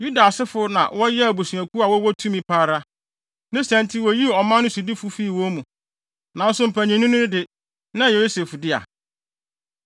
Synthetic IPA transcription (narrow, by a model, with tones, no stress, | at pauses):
ju˦da˨sɪ˦fʊ˦nã̰˨wɔ˦jɛ˦æ˨bu˨su˨æ˨kʰu˦a˨wɔ˦wɔ˦tʰũ˦mĩ˦pʰaː˦ɾa˦ | nɪ̃˦sæ̃˨ntʰi˦wɔ˨ji˦ɔ˨mã˦nʊ̃˦su˨di˦fʊ˦fiː˦˨wɔ˦mũ˨ | nã˨n̩˦sʊ̃˦m̩˨pʰæ˨ɲĩ˨nʊ̃˦nʊ̃˦dɪ˦ | nã˦˨jo˦se˨fdɪ˦a̰˨